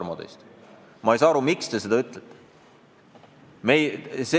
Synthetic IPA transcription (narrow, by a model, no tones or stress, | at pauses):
mod̪ejst̪ | mɑejsɑɑɾumikst̪e̞se̞d̪̥ɑyt̪ˑlet̪ːe̥ | mejse